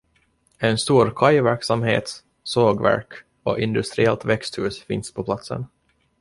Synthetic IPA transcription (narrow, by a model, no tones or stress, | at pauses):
ɛnst̪uːɾkʰajvæɾksamhḛːt̪ | soːɡvæ̰ɾk | ɔ̰ʔɪnd̪ɵst̪ɾɪɛlt̪vɛkst̪hʉ̟ːsfɪ̰nspʰɔpʰlat̪sə̰n